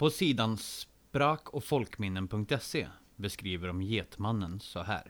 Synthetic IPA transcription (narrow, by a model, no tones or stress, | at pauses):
pʰɔsiːd̪ans | pɾɑːkʰɔfɔlkmɪnːənpʰɵŋk̚t̪ɛsḛ | bəskɾiːʋəɾɔmjeːt̪manːənsɔɦæ̰ːɾ